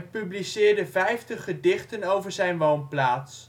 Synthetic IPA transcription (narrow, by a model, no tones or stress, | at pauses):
pyblisɪːɹdəvɛjftəχːədɪχtənowvəɹzɛjnʋownplaːts